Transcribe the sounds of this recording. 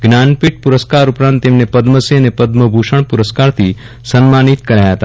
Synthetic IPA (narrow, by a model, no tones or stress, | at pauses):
ɡnaːnpɪʈ̚pʊɾəskaːɾʊpɾãːnt̪ːeːmnepɐd̪məsenepɐd̪məbʱuʃəɳ̃pʊɾəskaːɾt̪ʰi | sənmaːnit̪kɐɾaːjaɦt̪aː